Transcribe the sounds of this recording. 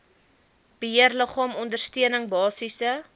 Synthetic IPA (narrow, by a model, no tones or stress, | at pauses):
b̥əɦiərləχɑːmɔndərstiənəŋbɑːsisə